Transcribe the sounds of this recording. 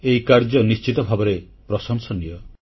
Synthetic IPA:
eikaɾd͡ʒɔnist͡ʃit̪ɔbʱabɔɾe | pɾɔsɔŋsɔnijɔ

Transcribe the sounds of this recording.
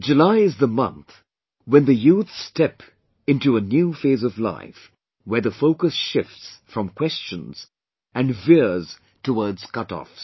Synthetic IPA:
d͡ʒɨlaɪɨzðəmʌ̰̃nθ | wɨ̃nðɨjuθstɛp | ɪ̃ntuənjʉfeɪzʌvla̰ɪf | wə˞ðəfoʊkɨsʃɪftsfɹʌ̃mkʰw̥ɛst͡ʃɨ̃nz̥ | ɨ̃nvɪɹz̥ | tʰəwɔɹdz̥kʰʌɾɔ̰fs

